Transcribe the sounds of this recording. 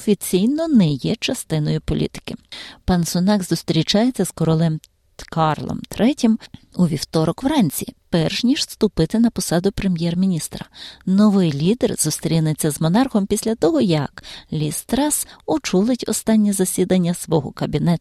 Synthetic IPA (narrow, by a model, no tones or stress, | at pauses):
ɔfʲit͡sʲijnɔnɛjɛt͡ʃɐst̪ɪnɔjʊpɔlʲḭt̪ɪ̥kɪpɐnsʊnɑɡzʊst̪ɾʲit͡ʃɑjet͡sʲːɐz̥kɔɾɔlˠɛm | kɑrlˠɔ̰mt̪ɾɛtʲimuʋʲiwt̪ɔɾɔkʋrɑnʲt͡sʲḭpɛrʃnʲiʒ̥st̪ʊpɪt̪ɪnɐpɔsɑd̪ʊpɾemʲjɛrmʲinʲist̪ɾɐnɔʋɪjlʲid̪erzʊst̪ɾʲinet͡sʲːɐzmɔnɑrxɔmpʲisʲlʲɐt̪ɔɦɔjɐklʲist̪ɾɑsʊt͡ʃulˠɪtʲɔ̰st̪ɑnʲːizɐsʲid̪ɐnʲːɐsʋɔɦɔkɐbʲinɛt̪ʊ̥